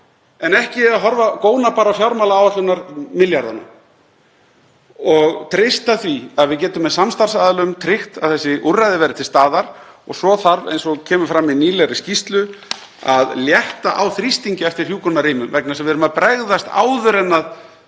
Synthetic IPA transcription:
ɛnɛhcɪaɦɔɾvakoːwnapaːɾawfjawɾmawlaːwahlʏnaɾmɪljaɾðana̰ | ɔɣt̪ʰɾɪst̪aθviaðvɪðcɛːt̪ʏmːɛðsamst̪aɾ̥saːðlʏmt̪ʰɾɪxt̪aðθɛsːɪʔurːajðɪvɛːɾɪt̪ʰɪlst̪aːðaɾ | ɔ̰ɣsɔθaɾvḛjnsɔɣcʰɛːmʏfɾamːɪðniːlɛɾɪscist̪lʏ | a̰ðljɛht̪aʔawθɾist̪iɲcɪɛft̪ɪɾ̥juːkʰɔnːaɾiːmʏmvɛknasɛmvɪɛɾʏmaðpɾɛɣðast̪a̰ːwðʏɾɛnːað

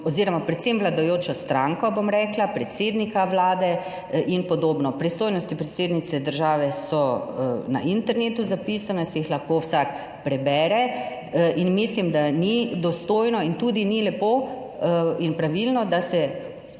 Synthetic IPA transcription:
ɔziɾɔmapɾɛt̪semʋlad̪ajoːt͡ʃɔst̪ɾaŋkɔbomɾɛːklapɾɛt̪seːd̪nikaʋlaːd̪ɛ | ʔinpɔd̪oːbnɔpɾist̪oːjnɔst̪ipɾɛt̪seːd̪nit̪sɛd̪əɾʒaːʋɛsɔna̰ʔint̪ɛɾneːt̪uzapisanɛsɛjixlaxkowsak | pɾɛbɛːɾɛ | ʔinmislimd̪anid̪ɔst̪oːjnɔint̪uːd̪inilɛpo | inpɾaʋilnɔd̪asɛ

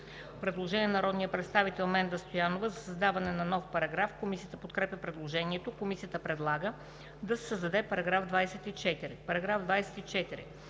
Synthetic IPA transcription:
pɾɛd̪lˠoʒɛniɛnɐɾɔd̪nijəpɾɛt̪st̪avit̪ɛlˠmɛnd̪ɐst̪ojanovəzɐsɐzd̪avɐnɛnɐnɔfpɐɾɐɡɾafkomisijət̪əpot̪kɾɛpʲəpɾɛd̪lˠoʒɛniɛt̪okomisijət̪əpɾɛd̪lˠaɡə | d̪ɐsɛ̥səzd̪ɐd̪ɛpɐɾɐɡɾavd̪vajsɛt̪it͡ʃɛt̪iɾipɐɾɐɡɾavd̪vajsɛ̥t̪it͡ʃɛt̪iɾḭ

